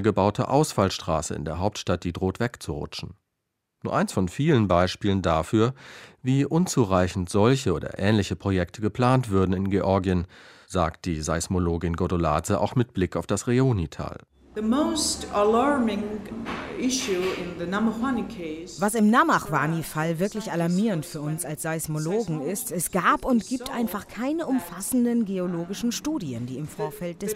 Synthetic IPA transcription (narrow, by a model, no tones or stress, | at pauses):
əɡəbaʊtʰə̰ʔa̰ʊsfalʃtʁ̥a̰ːsəɪ̰ndeːɐɦaʊp̚tʃtat̚d̥iːdʁoːtv̥ɛkt͡suʁʊ̰t͡ʃn̩ | nuːɐʔaɪnsfɔnfiːlənbaɪʃpiːləndafyːɐviːʔʊnt͡suːʁaɪçn̩tz̥ɔlçəoːdɐ̰ʔɛːnlɪçəpʁ̥ojɛktʰəɡəpl̥aːntv̥ʊɐdn̩ɪnɡeʔɔɐɡiənza̰ːkt̚d̥iːzaɪsmoloːɡɪnɡodola̰ːt͡səʔa̰ʊxmɪt̚b̥lɪkaʊfd̥asʁeoːnitʰa̰ːl | ðəmoʊstəlɑɹmɪ̃ŋ | ɪʃʉɪ̃nðɨnaməhwanikʰeɪsvasɪmnamaχwaːnifalvɪɐklɪçalaɐmiːʁəntfyːɐʊnsalsz̥aɪsmoloːɡŋ̩ɪstɛsɡ̥aːpʊntɡ̥iːptʔaɪnfaχkʰaɪnəʊmfasn̩dənɡeoloːɡɪʃn̩ʃtuːdiəndiːɪmfoːɐfɛlt̚d̥ɛs